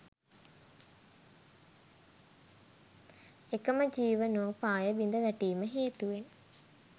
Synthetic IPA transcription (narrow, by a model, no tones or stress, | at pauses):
ekəməd͡ʒiːʋənoːpaːjəbind̪əʋæʈiːməɦeːt̪uʋen